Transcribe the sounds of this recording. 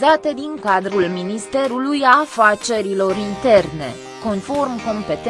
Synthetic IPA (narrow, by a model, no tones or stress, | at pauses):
at̪e̞d̪iŋkad̪ɾulminist̪e̞ɾulujafat͡ʃe̞ɾilo̞ɾint̪e̞rne̞̰ | ko̞nfo̞rmko̞mpe̞t̪